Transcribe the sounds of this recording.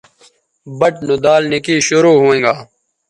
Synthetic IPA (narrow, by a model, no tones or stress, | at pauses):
bəʈnud̪aːlnɪkiːɕʊɾuːɦuẽːɡaː